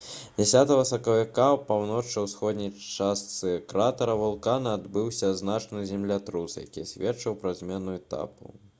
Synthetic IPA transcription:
d͡zʲɛsʲat̪ɐvɐsɐkɐvʲikapawnɔt͡ʂːɐwsxɔd̪ʲnʲɐjast̪sɨkɾat̪ɐɾɐvulˠkanɐad̪bɨwsʲɐznat͡ʂnɨzʲɛmlʲat̪ɾusja̰kʲisʲvʲɛtt͡ʂɐwpɾɐzʲmʲɛnuɛt̪a̰pṵ

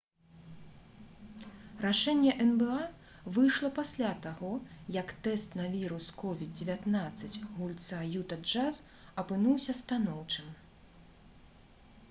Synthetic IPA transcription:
raʂɛnʲːɛʔɛnbɛa | vɨjʂlˠɐpasʲlʲat̪aɣɔjɐkt̪ɛst̪nɐvʲiɾuskɔvʲid̪̚d͡zʲevʲat̪nat̪sːɐt͡sʲɣulʲt̪sajut̪ɐd͡ʐaz | ɐpɨnuwsʲɐst̪anɔwt͡ʂɨm

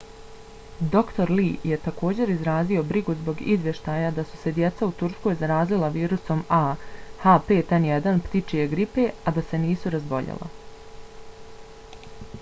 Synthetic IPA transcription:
d̪o̞kt̪o̞ɾliːje̞t̪ako̞ːd͡ʑe̞ɾizɾaːzio̞bɾiɡuzbo̞ɡḭzʋje̞ʃt̪ajad̪asu̥se̞d̪je̞t̪saut̪uɾsko̞jzaɾaːzlilaʋiːɾuso̞mahaːpeːt̪enjed̪anpt̪it͡ʃije̞ɡɾipe̞ad̪ase̞niːsuɾazbo̞ʎḛlˠʔa̰

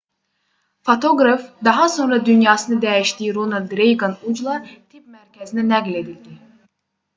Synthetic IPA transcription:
fot̪ʰoɡɾɑfd̪ɑɦɑso̞nɾɑd̪ynjɑːsɯnɯd̪æjiʃt̪ijɾonɑld̪ɾejɡɑnud͡ʒlˠɑt̪ʰip̚mæɾcʰæzininæɡle̞d̪ild̪i

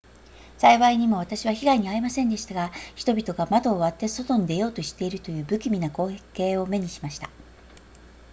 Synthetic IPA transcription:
saiβaiɲ̟imo̞β̞at̪aɕiβaçiɡaiɲ̟iaimasẽ̞nd̪e̞ɕi̥t̪aɡaçi̥t̪o̞bʲit̪o̞ɡamad̪o̞ːβat̪ːe̞so̞t̪o̞ɲ̟id̪e̞jo̞ːt̪o̞ɕi̥t̪e̞iɾɯ̟t̪o̞jɯ̟ːbɯ̟kʲimʲinako̞ːekːe̞ːo̞me̞ɲ̟iɕimaɕi̥t̪ḁ

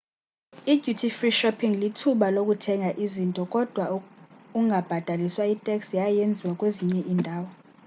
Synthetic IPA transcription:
iɡjutʰifriʃɔpʰiŋlitʰuɓalok̬ʼutʰɛŋʱaʔizintʼɔkʼɔd̥ʱwauŋɡʱab̥ʱad̥ʱaliswaitʼɛksjajend͡zʱiwakʼweziɲɛʔiːndʱaːwɔ

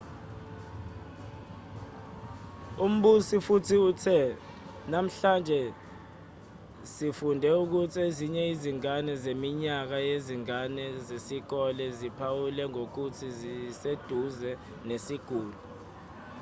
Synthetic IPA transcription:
um̩ɓusifutʰiutʰɛ | nam̩ɬand͡ʒʱɛ | sifundʱɛuk̬utʰieziɲɛiziŋanɛzemiɲak̬ajeziŋanɛzesik̬ɔlɛzipʰawulɛŋok̬utʰizised̥ʱuzɛ | nesiɡ̥ʱuːlu

